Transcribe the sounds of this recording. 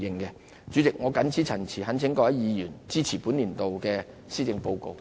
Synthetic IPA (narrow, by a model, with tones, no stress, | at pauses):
jɪ˨˧ŋkɛ˧ | t͡syː˨˥t͡sɪ˨k̚ŋɔː˨˧kɐ˨˥nt͡sʰiː˨˥t͡sʰɐ˨˩nt͡sʰiː˨˩hɐ˨˥nt͡sʰɪ˨˥ŋkɔː˧jɐ˨˥jiː˨˧jyː˨˩nt͡siː˥t͡sʰiː˨˩puː˨˥nliː˨˩nt̪o˨wkɛː˧ | siː˥t͡sɪ˧ŋpo˧wko̰˧w